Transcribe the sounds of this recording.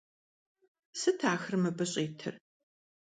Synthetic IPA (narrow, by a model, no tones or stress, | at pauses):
sɨtʰaːxrmɐbɨɕʼeːtʰɨ̰r